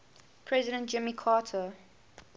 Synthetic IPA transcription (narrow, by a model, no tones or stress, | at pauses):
pʰɹɛzɪɾə̃nt̚d͡ʒɪ̃mikʰɑtʰə